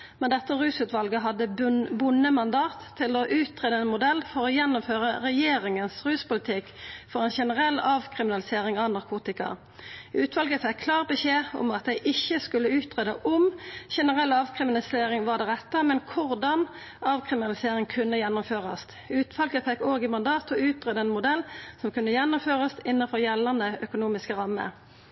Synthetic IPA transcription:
mɛnd̪ɛt̪ːəʁʉːsʉːt̪ʋɑlɡəɦɑd̪əbʊnːəmɑnd̪ɑːt̪ʰːɪloʔʉːt̪ʰʁeːd̪əɛnmʊd̪ɛlːfɔʁojɛnːʊmføːʁəʁɛjeːʁɪŋənsʁʉːspʊlɪt̪ʰɪkfɔʁɛnʃɛnəʁɛlɑːʋkʰʁɪmɪnɑlɪseːʁɪŋɑnɑʁkʰuːt̪ɪkɑ̰ | ʉːt̪ʰʋɑlɡəfɛkʰːlɑːʁbəʃeːɔ̰mɑt̪̚d̪ɛɪʔɪçːəskʉlːəʉːt̪ʰʁeːd̪əʔʊmʃɛnəʁɛlːɑːʋkʰʁɪmɪnɑlɪseːʁɪŋʋɑd̪ɛʁɛt̪ːəmɛnkʰʊʁd̪ɑn | ɑːʋkʰʁɪmɪnɑlɪseːʁɪŋkʰʉnːəjɛnːʊmføːʁɑst̪ | ʉːt̪ʋɑlɡəfɛkːoːɡɪmɑnd̪ɑːt̪ɔʉːt̪ʁeːd̪əɛːnmʊd̪ɛlːsɔmkʉnːəjɛnːʊmføːʁəst̪ɪnːəfɔʁjɛlːɑnəœkʊnuːmɪskəʁɑmːə̰

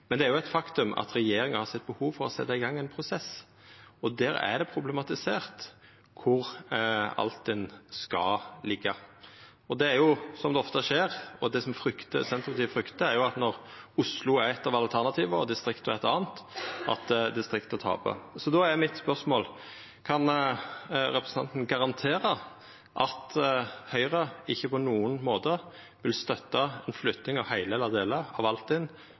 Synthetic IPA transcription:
mɛnd̪ɛæɾjʊæɪt̪fɑkt̪ʉmɑ̰t̪ɾɛjeːɾɪŋəhɑɾsɛt̪̚ːbəhuːʋfɔɾɔsɛt̪ːɑɪɡɑŋːɛnpʰɾʊsɛs | ɔd̪æːɾæ̰d̪ɛpʰɾʊblɛmɑt̪ɪseːʁt̪ | kʰʊɾ | ɑ̰lt̪d̪ɛnskɑlɪɡːɑ | ɔd̪ɛæɾjʊsɔmd̪ɛɔft̪əʂeːɾɔd̪ɛsɔmfɾʏkt̪ə̰sɛnt̪ɾəpɑt̪iːəfɾʏkt̪əæɾjʊɑt̪nɔɾʊslʊæɪt̪ɑʋɑlt̪ʰæʁnɑt̪ʰiːʋəɔ̰d̪ɪst̪ʁɪkt̪ɔæɪt̪ɑ̰ːnt̪ʔɑ̰t̪d̪ɪst̪ʁɪkt̪ət̪ʰɑ̰ːpʰɔ̰sɔd̪ɔæɾmɪt̪spœʁsmoːl | kʰɑn | ɾɛpɾəsn̩ʰɑ̰nt̪n̩ɡɑɾɑnt̪ʰeːɾə | ʔɑt̪hœʏʁəɪçːəpɔnuːənmoːt̪ə | ʋɪlst̪œt̪ːɑɛnflʏt̪nɪŋɑʋhæɪlelɑd̪eːləɑʋɑlt̪ɪn

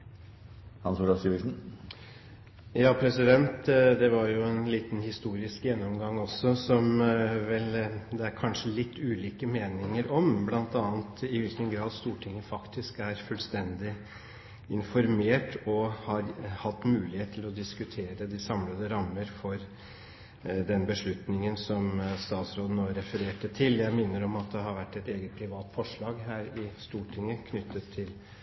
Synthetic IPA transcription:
hɑnsuːlɑsiːʋɪsn̩ | jɑːpʰɾɛsɪd̪ɛnt̪d̪ɛʋɑɾjʊɛnliːt̪n̩hɪst̪uːɾɪskjɛnːɔmɡɑŋːɔsːɔsɔmʋɛld̪ɛæɾkʰɑnʂəlɪt̪ʰːʉːliːkəmeːnɪŋəɾɔmblɑnt̪ɑːnt̪ɪʋɪlkənɡɾɑːd̪st̪uːʈʰɪŋːəfɑkt̪ɪskæɾfʉlst̪ɛnd̪ɪ | ɪnfɔɾmeːʈɔhɑɾhɑt̪ːmʉːlɪheːt̪ʰːɪlɔd̪ɪskʉt̪ʰeːɾəd̪ɪsɑmləd̪əɾɑmːəɾfɔɾ | d̪ɛnbəʂɭʉt̪nɪŋənsɔmst̪ɑːt̪sɾoːd̪n̩oːɾɛfəɾeːʈːət̪ʰɪljæɪmɪnːəɾɔmɑt̪̚d̪ɛɦɑɾʋæʈːɛt̪eːɡət̪̚pʰɾɪʋɑːt̪fɔʂɭɑːɡɦæːɾɪst̪uːʈʰɪŋəkʰnʏt̪ʰːət̪ʰːɪl

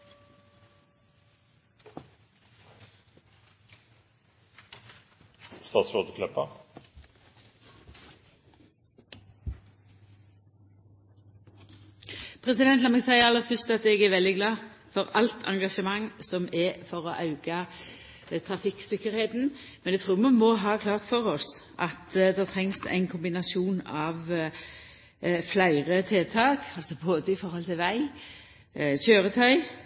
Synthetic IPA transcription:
st̪ɑːsɔd̪əkʰlœpɑ | pʰʁɛsɪd̪ɛnt̪lɑmɛɡsæɪəʁɑlːəfʏʁst̪ɑt̪ɛɡɛːʋɛld̪ɪɡlɑːfɔʁɑlt̪ʰɑ̰ŋɡɑʂəmɑŋːsɔmɛfɔɾɔʔɑʉɡ̥ɑ | t̪ʰʁɑfɪksɪkːəɾheːt̪n̩ | mɛnɛɡt̪ʰɾuːmɑnmɔɦɑːkʰlɑːʁt̪fɔʁɔs | ʔɑt̪d̪ɑːt̪ʰʁɛŋsæ̰ɪnkʰʊmbɪnɑsuːnɑʋ | flæɪʁət̪ʰeːt̪ʰɑːkʰɑlsɔboːd̪əɪfɔɾhɔlt̪ʰɪlʋæɪ | ɕøːʁət̪ʰœʏ

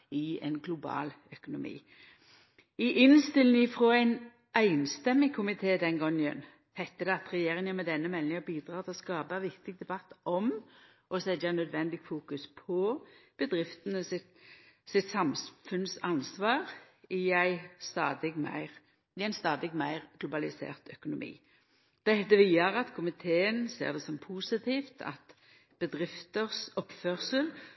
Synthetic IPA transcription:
ɪɛ̰nɡlʊbɑ̰ːl | œkʊnʊmḭː | ɪʔɪnst̪ɪlnɪɪfɾoːæɪn | æɪnst̪ɛmːɪŋkʰʊmɪt̪ʰeːd̪ɛnɡɔŋːəə̰n | hɛt̪ːəd̪ɛɑt̪ɾɛjeːɾɪŋənmɛd̪ɛnːəmɛlnɪŋəbiːd̪ɾɑːt̪ʰɪlɔskɑːbəʋɪkt̪ɪɡ̚d̪ɛbɑt̪ːɔm | ʔɔsɛd̪ɑnœd̪ʋɛnd̪ɪɡfuːkʉspʰɔb̥əd̪ɾɪft̪ənəsɪt̪sɪt̪sɑmfʉnsɑnsʋɑːʁ | ɪæɪst̪ɑːd̪ɪɡmæ̰ɪʁ | ɪæɪnst̪ɑːd̪ɪɡmæɪʁɡ̥lʊbɑlɪsḛːʁt̪œkʊnʊmḭː | d̪̥ɛd̪ɛʋiːɑʁɑt̪kʰʊmɪt̪ʰeːənsḛːʁd̪ɛsɔmpʰuːsɪt̪ʰiːft̪ʰɑ̰t̪ | b̥əd̪ʁɪft̪əʁsɔpføːʁsəl

